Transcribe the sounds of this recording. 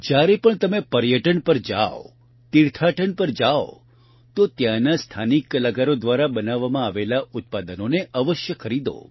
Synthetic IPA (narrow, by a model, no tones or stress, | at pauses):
d͡ʒjaɾepəɳt̪əmepəɾjəʈəɳpəɾd͡ʒa̰o̰ | t̪iɾt̪ʰaʈəɳpəɾd͡ʒao̰ | t̪ot̪jãnast̪ʰanikːəlaɡaɾod̪ʋaɾabənaʋːamãaʋelaʊt̪̚pad̪ənoneʔəʋəʃjəkʰəɾid̪o̰